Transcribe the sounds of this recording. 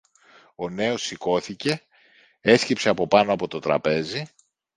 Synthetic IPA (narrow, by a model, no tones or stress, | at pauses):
o̞ne̞o̞sːiko̞θice̞ | e̞scipse̞ɐpo̞pɐno̞ɐpo̞t̪o̞t̪ɾɐ̰pe̞zi